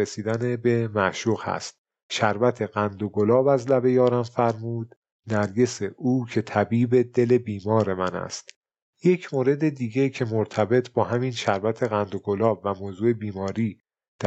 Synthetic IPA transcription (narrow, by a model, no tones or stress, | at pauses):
esiːd̪ænebe̞mæʔʃuːɣhæ̰st̪̚ | ʃæɾvæt̪ʰe̞ɣænd̪oɡolɒːbæzlæbe̞jɒːɾæmfæɾmuːd̪ | næɾɟe̞se̞ʔuːcʰe̞t̪ʰæbiːbe̞d̪e̞le̞biːmɒːɾe̞mænæ̰st̪ | je̞cʰmoːɾe̞d̪ed̪iːɟe̞cʰe̞moɾt̪ʰæbe̞t̪ʰbɒːɦæminʃæɾvæt̪ʰe̞ɣænd̪oɡo̞lɒːbvæmoːzuːe̞biːmɒːɾiː | d̪̥æ